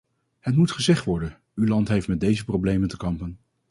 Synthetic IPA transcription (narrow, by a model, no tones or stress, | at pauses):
hət̬mutχəzɛχtʋɔɹdən | ylɑntɦejftmɛd̚dejzəprowblejməntəkɑmpən